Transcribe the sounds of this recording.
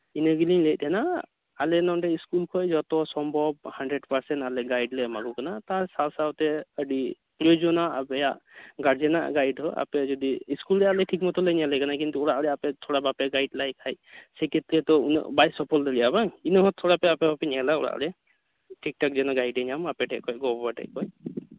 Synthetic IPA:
inəɡiliŋlect̚ˀɛnaː | lɛnɔnʈɛiskulkʰɔjd͡ʒɔt̪ɔsɔmbʱɔb̚haɳɖɾeɖpaɾsɛntalɛɡajɖlɛmaɡukanat̪aɾsalsawt̪ɛəɖi | plod͡ʒɔnaʔabɛjaʔɡaɾd͡ʒɛna̰ʔɡajɖɦɔʔa̰pɛd͡ʒɔd̪iːskulɾɛjalɛʈʰik̚mɔt̪ɔləɲalɛjkanakint̪uɔɽaʔɾɛapɛt̪ʰɔɽabapɛɡajɖlajkʰajsɛkʰet̪ɾɛt̪ɔṵn̰ʔbajsɔpʰɔld̪əlijabaŋinɔɦɔt̪ʰːɔɽapɛapɛɔpɛɲɛlaɔɽa̰ʔɾɛ | ʈik̚ʈɔk̚d͡ʒɛnɔɡajɖɛɲamapɛʈʰɛʔkɔjɡɔbɔbaʈɛ̰ʔkɔj

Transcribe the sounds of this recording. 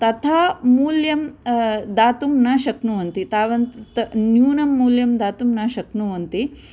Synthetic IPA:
t̪ɐt̪ʰaːmuːljɐmd̪aːt̪umnaːʃɐknuʋɐnt̪it̪aːʋɐnt̪t̪njuːnɐmːuːljɐmd̪aːt̪umnaːʃɐknuʋɐnt̪i

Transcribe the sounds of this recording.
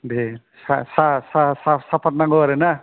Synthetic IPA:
de | sasasasasapat̪̚naŋɡoɾena

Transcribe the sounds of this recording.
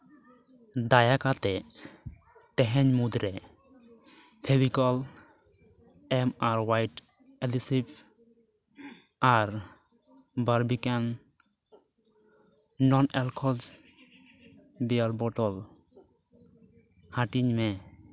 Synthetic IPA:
d̪ajakat̪ɛ | t̪ɛɦɛɲmud̪ɾɛ | t̪ʰɛbikɔl | ɛmaɾwajʈ | ɛlisip̚ | aɾ | baɾbikan | nɔnɛlkʰɔls | bijalbɔʈɔl | hãʈiɲmɛ

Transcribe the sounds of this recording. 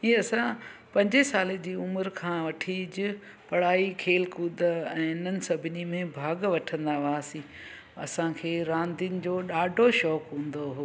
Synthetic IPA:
iːɐsãpɐ̃ɲd͡ʑesaːled͡ʑiːʊməɾkʰãːʋɐʈʰid͡ʑɪ | pɐɽ̤aːikʰeːlkuːd̪əɛ̃ːɪnənɪ̆sɐbʱɪnimẽbʱaːɡʋɐʈʰə̃nd̪aʋaːsĩ | ɐ̰sãkʰeːɾãːnd̪iʊnɪ̆d͡ʑoːɗaːɖʱoʃɔːkɦũːn̆d̪oɦoː

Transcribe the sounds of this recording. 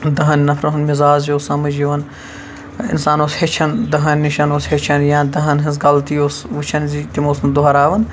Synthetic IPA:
d̪ɐɦɐnːɐfʰɾɐɦunmɪzaːzoːsɐmɐd͡ʒiʋɐn | ɪ̰nsaːnoːshet͡ʃʰɐnd̪ɐɦɐnʲːiʃɐnoːshet͡ʃʰɐnjãːnd̪ɐɦɐnɦɐz̬ɡɐlt̪ioːsʋɨt͡ʃʰɐnziːt̪imoːsnd̪oɦɐɾaːʋɐn

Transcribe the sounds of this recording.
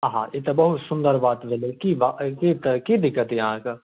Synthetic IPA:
ɦã̰it̪ɐbɐɦʊt̪sʊ̃nd̪əɾbaːt̪belekibakit̪ɐkid̪ɪkːət̪jɐɦãka

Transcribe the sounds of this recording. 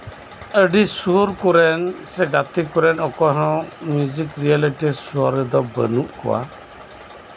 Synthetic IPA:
əɖisuɾkuɾɛnsɛɡat̪ikuɾɛnɔkɔɦãmjud͡ʒikɾijaliʈisuɔɾd̪ɔbə̰nuʔkɔ̰wa̰

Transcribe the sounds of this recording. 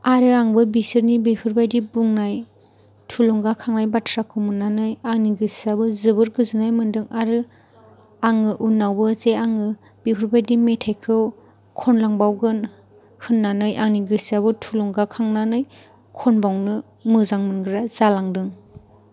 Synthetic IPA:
aɾɯaŋbɯbisɯɾnibipʰɯɾbajdibuŋnaj | tʰulɔŋɡakʰaŋnajbatʰɾakʰɯmɯnːanɯjaŋniɡɯsabɯzɯbɯɾɡɯzɯnajmɯndɯŋaɾɯ | aŋɯʔunːawbɯzeaŋɯ | b̥ipʰɯɾbajdimetʰajkʰɯw | kʰɔnlaŋbawɡɯn | hɯnːanɯjʔaŋniɡɯsaβɯtʰulɔŋɡakʰaŋnanɯj | kʰɔnbawnɯ | mɯzaŋmɯnɡɯɾaz̥alaŋdɯŋ

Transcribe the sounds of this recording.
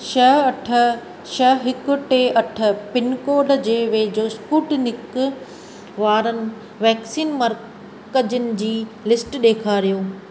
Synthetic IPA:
ʃɐɦɐʈʰ | ʃɐɦɦɪkʊ̆ʈeːʔɐʈʰə̆pɪnkoːɾɖd͡ʑeːʋeːd͡ʑoːspuːʈnɪk | ʋaːɾənɪ̆ | ʋɛːksiːnmɐɾ | kəd͡ʑənɪ̆d͡ʑiːlɪsʈɗeːkʰaːɾijoː

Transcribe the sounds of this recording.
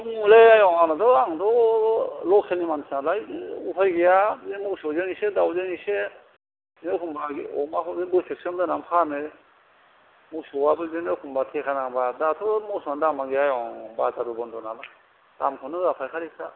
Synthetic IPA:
ŋuleajɔŋanatɔaŋdɔ | lɔkʰelnimansʰnalajupʰajɡejaemuksozeŋisedawzɯŋise | nɯkʰumbaɡiɔ̰makʰɔdebɯsesɔmdɯnampʰanɯ | muk̚sowabɯdinɯkʰumbatʰekʰanabadatʰɔmɔsɔndamaɡeajɔŋbataɾubɔndɔnala | d̥amkʰɔnɯapʰajkʰaɾisa

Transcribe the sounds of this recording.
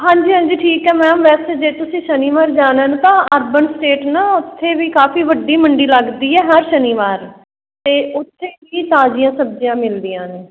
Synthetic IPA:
ɦãːɲd͡ʒiːɦãːɲd͡ʒiːʈʰiːkɦɛːmɛ̃ːmʋɛːseːd͡ʒeːt̪ʊsĩːʃəniːʋaːɾd͡ʒaːnəːnt̪ãːəɾbənsʈeːʈnaːʊt̪ʰːeːʋiːkaːfiːʋəɖiːməɳɖiːləɡd̪iːɛːɦəɾʃəniːʋaːɾ | t̪eːʊt̪ʰːeːʋiːt̪aːd͡ʒɪjãːsəbd͡ʒijãːmɪld̪ijãːneː

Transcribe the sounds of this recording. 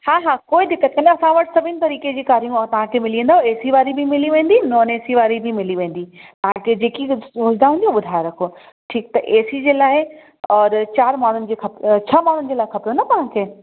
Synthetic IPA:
haːɦaːkoːid̪ɪkːət̪̚kɐ̃nɐsãʋɐʈsɐbʱɪnɪ̆t̪ɐɾiːked͡ʑiːkaːɾijũɔt̪ɐʋ̤ãkʰemɪlijə̃nd̪aːɦeːsiʋaːɾibʱimɪliʋẽːnd̪inɔːneːsiʋaːɾibʱimɪliʋẽːn̆d̪it̪ɐʋ̤ãkʰed͡ʑeːkisoːd͡ʑd̪aɦʊ̃nd̪ijuɓʊd̪ʱaːjoɾɐkʰo | ʈʰiːk̚t̪ɐʔeːsid͡ʑeːlaːɪ | ɔːɾt͡ɕaːɾmaːɳ̤ʊnɪ̆d͡ʑeːxɐpt͡ɕʰɐmaːɳ̤ʊnɪ̆d͡ʑeːlaːɪxʰɐpɾjonɐt̪ɐʋ̤ãkʰeː

